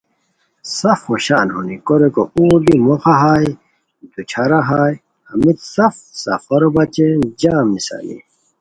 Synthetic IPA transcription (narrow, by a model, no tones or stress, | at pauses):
sɐfhoɕaːnhunikoɾekouːb̪imoxaɦaːj | d̪ut͡ɕʰaɾaɦaːj | ɐmit̪sɐfsɐ̰fɐɾobɐt͡ɕed͡ʑaːmisa̰lḭ